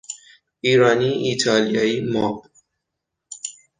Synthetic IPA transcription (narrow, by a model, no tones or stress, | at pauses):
iːɾɑːniːiːt̪ʰɑːlijɑːiːmɔːb